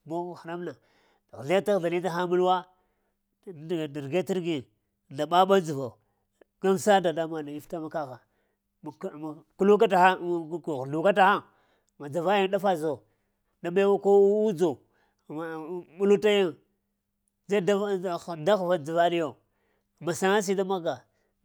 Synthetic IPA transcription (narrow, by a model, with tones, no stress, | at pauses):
bo˦˨xa˨ɾa˦mna˨ | ɣɮa˦a˦ta˦ɣɮa˨li˦ta˦xa˦mu˦lwa˦˨ | di˨ɾɡe˦ti˦ɾɡi˨ | nda˨ɓa˦ɓa˦d͡zi˨va˨ | ɡa˦msa˦da˨da˦ma˨na˨ji˦fta˦ma˦ka˦ɣa˨˦˨ | ku˦lu˦ka˦ta˨a˦˨ɣdu˨ka˦ta˨xa˦ | ma˨d͡za˨va˦ja˦ŋ˦ɗa˦fa˨zo˨ | ɗa˨ɓa˦wa˦ko˦u˦d͡zo˨ | mu˦lu˦ta˦ja˦ŋ | d͡za˦da˦˨da˦xva˨d͡zi˨va˦li˦jo˨ | ma˨sa˦ŋa˦s̬i˦da˦ma˦ɡa˨